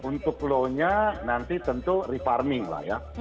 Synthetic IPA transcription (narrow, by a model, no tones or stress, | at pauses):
unt̪ʊkloɲanant̪it̪ənt̪urifarmɪŋla̰ja